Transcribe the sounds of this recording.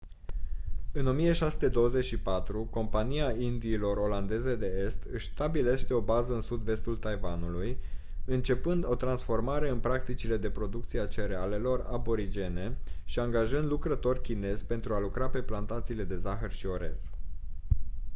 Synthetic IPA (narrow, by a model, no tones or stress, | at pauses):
ɨno̞mije̞ʃasu̥t̪e̞d̪o̞wəzet͡ʃʲʃipat̪ɾuko̞mpaniaind̪iːlo̞ro̞land̪e̞ze̞d̪e̞e̞st̪ɨʃʲst̪abile̞ʃt̪e̞o̞bazəɨnsud̪ve̞st̪ult̪ajvanuluj | ɨnt͡ʃe̞pɨnd̪o̞t̪ɾansfo̞rmaɾe̞ɨnpɾak̚t̪it͡ʃile̞d̪e̞pɾo̞d̪uk̚t̪sieat͡ʃe̞ɾeale̞lo̞ra̰bo̞ɾid͡ʒe̞ne̞ʃiaŋɡaʒɨnd̪lukɾət̪o̞rʲkʲine̞zʲpe̞nt̪ɾualukɾape̞plant̪at̪siːle̞d̪e̞zaxərʃio̞ɾe̞̰t̪s